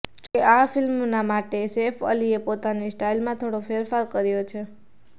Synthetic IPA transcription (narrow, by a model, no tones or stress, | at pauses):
d͡ʒokeʔafɪlmnamaʈesefə̰liepot̪anisʈailmãt̪ʰoɽofʰeɾfaɾkəɾjot͡ʃʰe